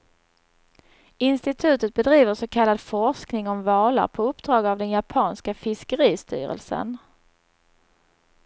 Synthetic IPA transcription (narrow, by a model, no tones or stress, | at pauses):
ɪnst̪ɪt̪ʰʉ̟ːt̪ət̪̚bɛd̪ɾiːvəʂɔkʰalːad̪fɔʂknɪŋɔmvɑːla̰ɾpʰɔɵpd̪ɾɑːɡavd̪ɛnjapʰɑːnskafɪskəɾiːst̪y̰ːɾə̰lsə̰n